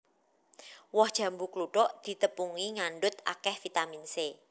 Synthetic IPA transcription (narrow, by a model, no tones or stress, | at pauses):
wɔhd̥ʒ̥a̤mbukluɖɔʔd̪̥i̤t̪əpuŋiŋaɳɖʊt̪a̰kɛhfit̪aminse